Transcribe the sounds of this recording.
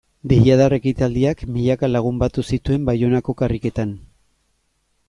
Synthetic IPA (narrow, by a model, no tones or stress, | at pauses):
b̪eɣiaðare̞kit̪ald̪iakmiʎakalaɣ̞umbat̪usit̪ue̞mbajo̞nako̞karike̞t̪an